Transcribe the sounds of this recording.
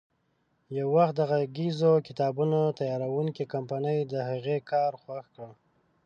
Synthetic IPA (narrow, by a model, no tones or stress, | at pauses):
jawːaxt̪̚d̪aɣaɡizokɪt̪ɑbunat̪ajɑɾawuŋkikampanəjd̪əhaɣekɑɾxwaxkɽə